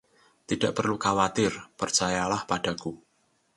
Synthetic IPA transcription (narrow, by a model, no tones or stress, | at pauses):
t̪id̥aʔpərlukawat̪ɪrpərt͡ʃajalahpaɖ̥aku